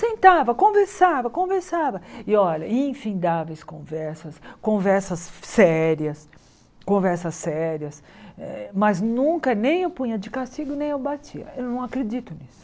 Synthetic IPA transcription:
sẽnt̪avɐkõveɾsavɐkõveɾsavɐɪɔʎɐĩfĩnd̪avejskõvɛɾsɐskõvɛɾsɐsːɛɾiɐs | kõvɛɾsɐsːɛɾiɐs | ɛmɐznũkɐnẽj̃ewpũĩɲɐd͡ʒɪkast͡ʃiɡʊnẽj̃ewbat͡ʃiɐ̰ewnɐ̃w̃akɾed͡ʒit̪ʊnisʊ̥

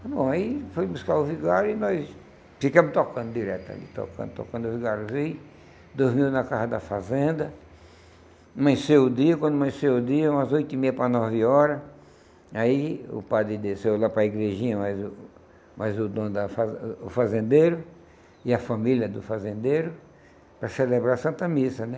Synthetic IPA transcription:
bõaifojbuskaɾʊviɡaɾʊɪnɔjs | fikɐ̃mʊt̪okɐ̃d̪ʊd̪iɾɛt̪a̰lḭt̪o̰kɐ̰̃nd̪ʊt̪o̰kɐ̃nd̪ʊviɡaɾʊzej | d̪ozmiwnɐkaɦɐd̪ɐfazẽnd̪ɐ | mɐ̃sewʊd̪iɐkwɐ̃nd̪ʊmɐ̃sewʊd̪iɐũmɐzojt̪ʊimejɐpɾɐnɔvɪɔɾɐ | aiʊ̰pad̪ɾɪd̪esewlapɾɐiɡɾeʒĩɲɐmajzʊ | majzʊd̪õd̪ɐfazːfazẽnd̪eɾʊ | ɪɐfɐ̃milʲɐd̪ʊfazẽnd̪ejɾʊ | pɾɐselebɾasɐ̃t̪ɐmisɐnɛ

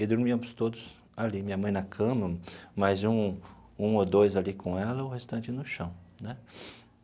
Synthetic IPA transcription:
ɪd̪ʊɾmiɐmʊst̪od̪ʊs | alimĩɲɐmɐ̃j̃nɐkʰɐ̃mɐmɐjzũ | ũod̪ojzalikõɛlɐʊhest̪ɐ̃nt͡ʃɪnʊʃɐ̃w̃nɛ

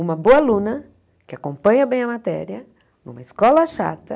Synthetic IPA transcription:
ũmɐboɐlũnɐ | kɪakõmpɐ̃ɲɐbẽj̃ɐmat̪ɛ̰ɾiɐ | nũmɐiskɔlɐʃa̰t̪ɐ

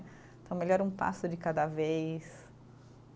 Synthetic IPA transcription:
t̪ɐ̃w̃meʎɔɾũpa̰sʊd͡ʒɪkad̪ɐvejs

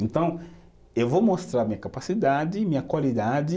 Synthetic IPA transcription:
ẽnt̪ɐ̃w̃ | ewvomost̪ɾaɾmĩɲɐkapasid̪ad͡ʒɪmĩɲɐkwalid̪ad͡ʒɪ

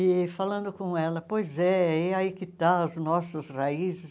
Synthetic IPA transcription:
ɪfalɐ̃nd̪ʊkõɛlɐpojzɛɛaikɪt̪aɐznɔsɐsraizɪs

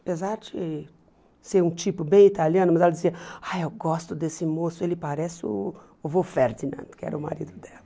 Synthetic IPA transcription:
apezaɾd͡ʒɪ | seɾũt͡ʃipʊbẽj̃it̪aljɐ̃nʊmɐzɛlɐd͡ʒɪziɐajewɡɔst̪ʊd̪esɪmosʊelɪpaɾɛsɪʊ̰ | ʊvofeɾd͡ʒinɐ̰̃d̪kɪɛ̰ɾɐʊma̰ɾid̪ʊd̪ɛlɐ

